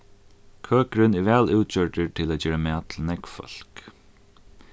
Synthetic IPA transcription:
kʰøːkɾɪnɪɹʋæːlʉːt̪t͡ɕœɹʈət̪ʰɪlaːd͡ʒeːɹamɛːt̪ʰl̩nɛkfɔ̰l̥k

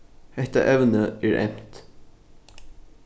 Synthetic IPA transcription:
ɛt̪ə̰ʔɛʋnəæːɹʔɛ̰mt̪

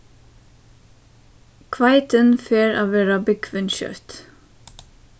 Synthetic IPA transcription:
kʰʋɑɪt̪ʰənfeːɾʔɑ̰ːʋeːɾɑbɪkʰʋɪnʃœ̰ɾt̪

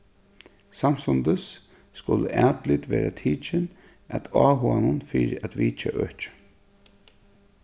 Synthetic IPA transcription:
sam̥sʊnd̪əsː | kʊləʔæːt̪lɪt̪ʋɛːɾat̪ʰiːt͡ʃɪn | at̪ʰɑːɦuanʊnfɪɾɪʔæt̪ʋiːt͡ʃaʔœht͡ʃ

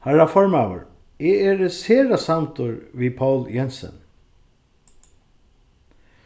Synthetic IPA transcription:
haɾafɔɹmawə̰ɹ | ɪɛɾəseːɾasamt̪ʊɹʋiːpʰawljɛnsə̰n

